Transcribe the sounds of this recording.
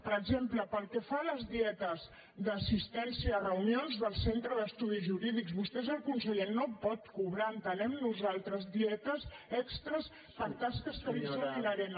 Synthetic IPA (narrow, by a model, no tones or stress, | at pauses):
pəɾəɡzempləpəlˠkɛfaləzðiɛt̪əz | ðəsist̪ɛnsiəːrəunionzðəlˠsent̪ɾəðəst̪uðiʒuɾiðikzβust̪ɛzəlˠkunsəʎenːopɔt̪kuβɾaənt̪ənɛmnuzalˠt̪ɾəzðiɛt̪əsɛkst̪ɾəs | pəɾt̪askəskəβizinəɾɛn